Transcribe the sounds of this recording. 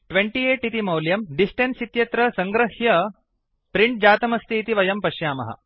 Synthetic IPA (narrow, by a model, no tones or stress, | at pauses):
ʈʋeɳʈieːʈit̪imɐwljɐmɖisʈensit̪jɐt̪ɾɐsɐŋɡɾɐhjɐ | pɾiɳʈ̚d͡ʑaːt̪ɐmɐst̪ʰiːt̪iʋɐjɐmpɐɕjaːmɐ̰ɦɐ̰